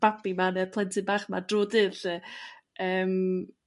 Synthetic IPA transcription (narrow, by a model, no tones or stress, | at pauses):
b̥apimanɛpʰlˠɛntʰɨbaːχmadroːdɨðəʔəːm